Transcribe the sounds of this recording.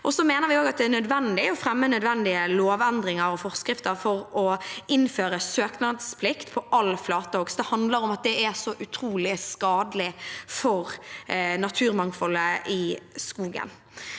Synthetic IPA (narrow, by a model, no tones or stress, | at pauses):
ʔɔsɔmeːnəɾʋɪoːɡɑt̪̚d̪ɛænœd̪ʋɛnd̪ɪɔfɾɛmːənœd̪ʋɛnd̪ɪəloːʋɛnd̪ɾɪŋəɾɔfɔʁskɾɪft̪əɾfɔɾɔɪnføːɾəsøːknɑd̪spʰlɪkt̪pʰɔʔɑlflɑːt̪əhɔɡsd̪ɛhɑnd̪ləɾɔmɑt̪̚d̪ɛæsɔʔʉt̪ʰɾuːlɪskɑːd̪əlɪfɔɾnɑt̪ʰʉːɾmɑŋfɔlːəʔɪskuːɡə̰n